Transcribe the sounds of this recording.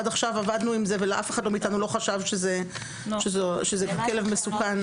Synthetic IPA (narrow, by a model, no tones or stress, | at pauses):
adaχʃavavadnuimzeveleʔafeχadlo̞miːt̪anulo̞χaʃavʃeze | ʃezoʃezeɡamkele̞vmesukan